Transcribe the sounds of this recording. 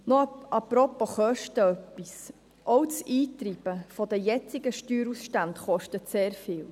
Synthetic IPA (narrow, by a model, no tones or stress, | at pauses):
nɔʔɑprɔpːoχœʃtəœpːis | ʔɔʊt͡siːt̪ɾib̥əfɔd̪əjɛt͡siɡəʃtyːɾusʃtantχɔʃtətseːɾfɪːl